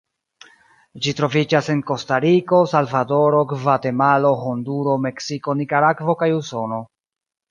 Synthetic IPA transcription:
d͡ʒitɾo̞vid͡ʒase̞nko̞staɾiko̞salvado̞ɾo̞ɡvate̞malo̞honduɾo̞me̞ksiko̞nikaɾakvo̞kajuso̞no̞

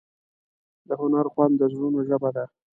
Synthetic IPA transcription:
d̪əhʊnaɾxwand̪əzɾunoʒəbad̪a

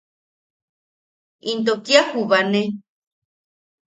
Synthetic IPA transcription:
int̪̬okiahuβane

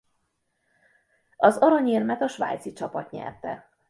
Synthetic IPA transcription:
ɒzɒɾɒɲeːrmɛt̪ɒʃʋa̰jt̪sit͡ʃɒpɒt̪ɲɛ̰rt̪ɛ̰

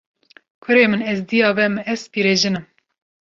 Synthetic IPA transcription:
kʰʊɾeːmɨnɛzd̪ijɑːvɛmɨɛzpiːɾeːʒɨnɨm

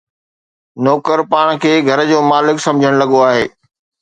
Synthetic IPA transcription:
nɔːkəɾpaːɽ̃kʰeːɡʱɐɾd͡ʑoːmaːlɪksɐ̃md͡ʑʱəɽ̃lɐɠoaːɦeː

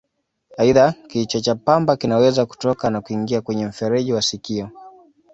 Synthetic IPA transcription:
aiðakit͡ʃɔt͡ʃapambakinawɛzaku̥tɔkanakuiŋɡiakwɛɲɛm̩fɛɾɛʄiwasikiɔ

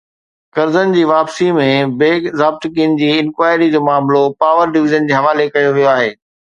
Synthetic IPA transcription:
kɐɾzənɪ̆d͡ʑiːʋaːpsimẽbeːkzaːb̚t̪kiːənɪ̆d͡ʑiːɪ̃nkwaːɪɾid͡ʑoːmaːmlopaːʋəɾɖɪʋɪʒənd͡ʑiːɦɐʋaːlekɐjoʋijoaːɦeː

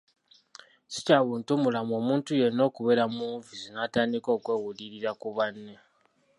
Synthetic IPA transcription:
si̥caβuːntumulamo̞ːmuːntujeno̞ːkuβeɾamuːɱviziŋataːndiko̞ːkwe̞ːwuliɾiɾakuβanːe

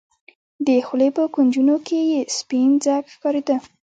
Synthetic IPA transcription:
d̪əxlepəkund͡ʒunokʰejespind͡zakxkɑɾed̪ə

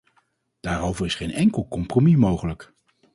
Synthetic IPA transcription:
d̥aːɾowvərɪsχejnɛŋkəlˠkɔmpromimowχələk

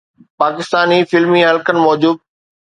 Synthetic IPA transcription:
paːkɪst̪aːnifɪlmiɦɐlkənɪ̆mɔːd͡ʑuːd̪̚

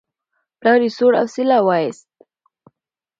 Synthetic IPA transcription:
plɑɾisoɽa̰wsɪlawɑjst̪̚

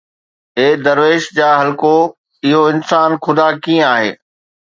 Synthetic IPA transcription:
eːd̪ɐɾʋeːʃd͡ʑaːɦɐlko | ɪɦoɪnsaːnxʊd̪aːkĩːə̃aːɦḛː

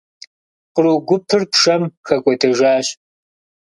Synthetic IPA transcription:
qəɾuːɡʷʊpʰɨrpʂɐmxɐkʷʼɔtʰɐʒaːɕ

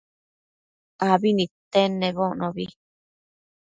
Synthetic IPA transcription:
aβinĩt̪enẽβoʔnõβi

